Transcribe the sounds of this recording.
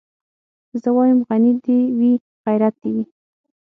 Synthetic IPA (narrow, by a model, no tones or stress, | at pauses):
zəwɑjəmɣanid̪ewi | ɣajɾat̪̚d̪ewi